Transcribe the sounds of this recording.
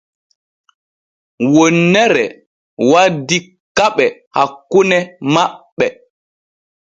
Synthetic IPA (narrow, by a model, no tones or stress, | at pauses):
wonːɛɾɛ | wadi | kaɓɛhakːunɛmaɓːɛ